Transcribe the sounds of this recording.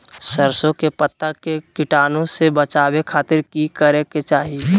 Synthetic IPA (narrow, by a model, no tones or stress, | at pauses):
səɾsõkepət̪ːakekɪʈaːnõsebət͡ʃaːwekʰaːt̪ɪɾkikəɾeket͡ʃaːɦi